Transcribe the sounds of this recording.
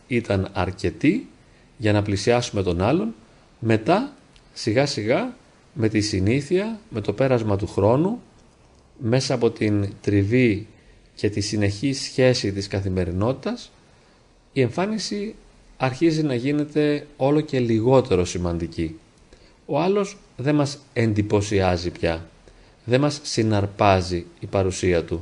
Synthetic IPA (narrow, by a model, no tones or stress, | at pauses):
it̪ɐnɐ̰ɾce̞t̪i | ʝɐnɐplisiɐsume̞t̪o̞nɐlo̞n | me̞t̪ɐ | siɣɐsiɣɐ | me̞t̪isiniθiɐme̞t̪o̞pe̞ɾɐzmɐt̪̬uxɾo̞nu | me̞sɐːpo̞t̪int̪ɾivi | ce̞t̪isine̞çisçe̞sit̪iskɐθime̞ɾino̞t̪i̥t̪ɐs | ie̞ɱfɐnisi | ɐɾçizinɐʝine̞t̪e̞o̞lo̞ce̞liɣo̞t̪e̞ɾo̞simɐnd̪ici | o̞ɐlo̞z | ðe̞mɐse̞nd̪ipo̞siɐzipçɐ | ðe̞mɐsːinɐɾpɐziipɐɾusiɐt̪u